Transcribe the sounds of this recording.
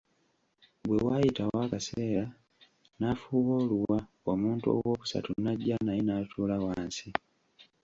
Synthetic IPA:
bwewajitawakase̞ːɾa | nafuːβoːluwa | omuːntuo̞̰wwo̞ːkusa̰tunaɟːanajinatʰuːlawaːnsi

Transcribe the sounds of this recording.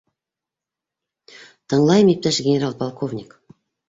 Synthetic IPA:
t̪ʰəɴlˠɑjmip̚t̪æʃɡʲenʲeɾalˠpʰolˠkʰovnʲik

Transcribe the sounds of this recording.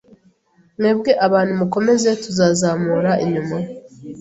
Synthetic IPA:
neːbɡe̞ʔaβaːn̤̥umuko̞me̞ze̞tuzaːzaːmuːɾaiɲuma

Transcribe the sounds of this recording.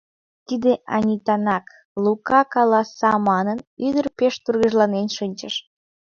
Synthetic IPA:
t̪id̪eʔɑ̰nʲit̪ɑnɑk | lukɑkɑlɑsɑmɑnənyd̪ərpeʃt̪urɣəʒlɑnenʃənʲt͡ɕəʃ

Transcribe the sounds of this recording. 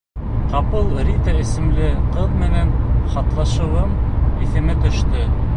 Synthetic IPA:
qɑpɤlˠɾʲit̪ɑɘ̆sɘ̆mlɘqɤðmɘ̆nænχɑt̪lˠɑʃɤ̆wɤmiθɘ̆mɘt̪ɵ̆ʃt̪ɵ

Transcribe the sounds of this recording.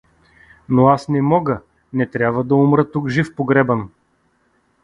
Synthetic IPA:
noasnɛmɔɡə | nɛt̪ɾʲjabvəd̪ɐumɾət̪ukʒifpoɡɾɛbən

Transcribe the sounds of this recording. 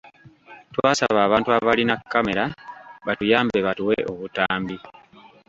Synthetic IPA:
twaːsa̰βaːβaːntuaβalinakːame̞ɾaβatujaːmbeβatuweʔoβutaːmbi

